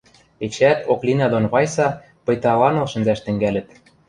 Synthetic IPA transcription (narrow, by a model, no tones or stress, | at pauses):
et͡ɕæt̪oklʲinɑd̪onβɑjsɑ | pɤ̆jt̪ɑlɑnolʃə̆nzæʃt̪ɘ̆ŋɡælɘ̆t̪